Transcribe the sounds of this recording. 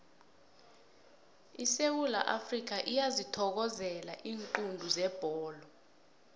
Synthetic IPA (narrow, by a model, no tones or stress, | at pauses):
isewula̰ʔafrik̬aʔijazitʰɔk̬ɔzɛla̰ʔiːŋǃundʱuzɛb̥ʱɔːlɔ